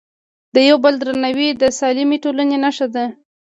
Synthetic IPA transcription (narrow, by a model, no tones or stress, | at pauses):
d̪̥əjawbəld̪ɾanawid̪əsɑlimeʈolanenaʃad̪a